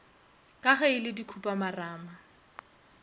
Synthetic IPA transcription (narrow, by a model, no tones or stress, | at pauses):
kʼaχɛɪlɪdikʰupʼamaraːma